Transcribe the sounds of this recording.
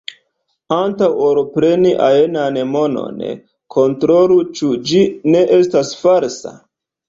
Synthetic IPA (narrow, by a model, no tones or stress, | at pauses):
antawo̞ɾpɾe̞niʔaenanemo̞no̞̰n̰ | kʰo̞ntɾo̞lut͡ʃud͡ʒine̞ʔe̞stasfaɾsa̰